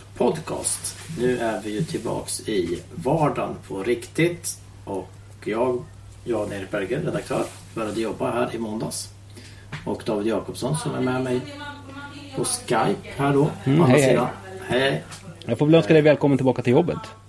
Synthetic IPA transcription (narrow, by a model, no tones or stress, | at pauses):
pʰɔd̪kʰɑ̰ːst̪nʉ̟ːʔæɾvɪjɵt̪ʰɪlbɑ̰ːksɪvɑːɖanpʰɔɾɪkt̪ɪt̪ | ʔɔk | jɑːɡ | jɑːɡnɛɾ̚bæɾɡəɾɛd̪akt̪ʰœ̰ːɾ | b̥œːɾjad̪əjɔbːaɦæːɾʔɪmɔnd̪a̰s | ʔɔkd̪ɑːvɪd̪jɑːkɔpsɔnsɔmæɾmɛmɛj | pʰɔskajphæːɖɔanɛɾiːd̪a̰nhɛj | jɑɡfoːvɛlœnskad̪ɛjvɛːlkʰɔmːənɪlbɑːkat̪ʰɪljɔbːə̰t̪